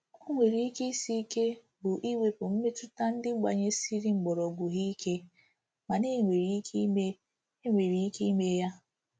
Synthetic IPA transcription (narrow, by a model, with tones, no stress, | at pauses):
o˦ŋʷe˨ɾi˨˦i˦ke˦i˦si˦i˦ke˦ | bʊ˨ʔi˦we˨pʊ˨m̩˦me˦tʊ˦ta˦n̩˦dɪ˦ɡ͡ba˨ɲe˦si˦ɾi˦ŋ͡m̩˨ɡ͡bɔ˨ɾɔ˨ɡʷʊ˨ɣi˦ke˦ | ma˨ne˦˨ŋʷe˨ɾi˦me˦ | e˦ŋʷe˨ɾi˨i˦ke˦i˦me˦ja˦